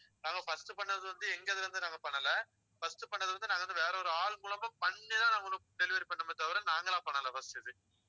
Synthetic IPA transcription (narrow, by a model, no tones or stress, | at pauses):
nãːŋɡɐfɐsʈɯpɐɳːɐðɯʋɐnd̪ɯɛŋɡɐðɯɾɯnd̪ɯnãːŋɡɐpɐɳːɐlɐ | fɐsʈɯpɐɳːɐðɯʋɐnd̪ɯnaːŋɡɐʋɐnd̪ɯʋeːɾɐɔɾɯaːɭŋɡʊɭɐmbɐpɐɳːilãːnaːŋɡɐnːɯ̃ʈ̪ɛlɪʋeːɾpɐɳːɐmɐt̪ːɐʋɐɾɐnaːŋɡɐlãːpɐɳːɐlɐfɐstɯjɐðɯ